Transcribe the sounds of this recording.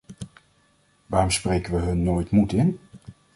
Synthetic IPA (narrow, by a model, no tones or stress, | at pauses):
ʋaːrɔmsprejkəʋəɦɵnːoːjtmutɪn